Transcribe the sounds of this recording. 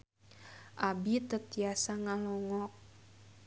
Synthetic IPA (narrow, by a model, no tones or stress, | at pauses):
ʔabit̪ət̪iasaŋalɔŋɔk̚